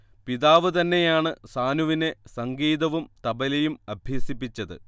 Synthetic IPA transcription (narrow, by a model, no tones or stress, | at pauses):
piðaːʋɨt̪ɐnːe̞jaːɳɨsaːnuʋine̞sɐŋɡiːðɐʋumt̪ɐbɐlɐjumɐbʱjeːsipːit͡ɕːɐðɨ̰